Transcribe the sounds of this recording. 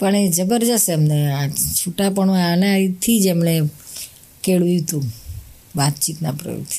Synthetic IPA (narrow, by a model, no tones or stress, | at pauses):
pəɳed͡ʒəbəɾd͡ʒəseɛmneat͡ʃʰuʈapəɳũanaaɾit̪ʰid͡ʒemne | keɭʋut̪ũ | ʋat̪t͡ʃit̪napɾə̰jo̰t̪ʰi̥